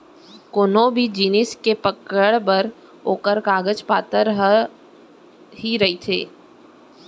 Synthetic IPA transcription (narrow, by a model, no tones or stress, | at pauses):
konõbʱid͡ʒiːnɪskepəkəɽbəɾ | oːkəɾkaːɡəd͡ʒpaːt̪əɾɦ | ɦiɾɐit̪ʰḛː